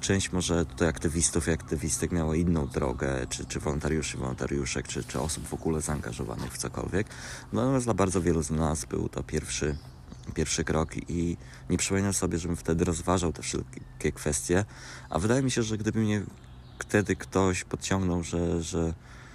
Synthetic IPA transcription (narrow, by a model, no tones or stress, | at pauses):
t͡ʂɛ̃w̃ɕt͡ɕmɔʐɛt̪ut̪ajakt̪ɘvʲist̪ufiakt̪ɘvʲist̪ɛkmʲjawainːɔ̃w̃d̪ɾɔ̰ɡɛ̰t͡ʂɘt͡ʂɘvɔlɔnt̪aɾjuʂivɔ̰lɔ̰nt̪a̰ɾjuʂɛ̰kt͡ʂɘt͡ʂɘɔ̰subvɔɡulɛzaːŋɡa̰ʐɔva̰nɘ̰xft̪sɔkɔ̰lvʲjɛknnat̪ɔmʲjasd̪labaɾd̪zɔvʲjɛluznasbɘ̰wt̪ɔ̰pʲjɛɾfʂɘ | pʲjɛɾfʂɘkɾɔki | ɲɛpʂɨ̥pɔmʲinasɔbʲjɛʐɛbɘft̪ɛd̪ɘɾɔzvaʐawt̪ɛfʂɛ̰lkʲɛkfɛst̪ʲjɛ | ʔa̰vɘd̪ajɛmʲiɕɛʐɛɡd̪ɘbɘmɲɛ | kt̪ɛd̪ɘkt̪ɔɕpɔt̪t͡ɕɔŋɡnɔwʐɛʐɛ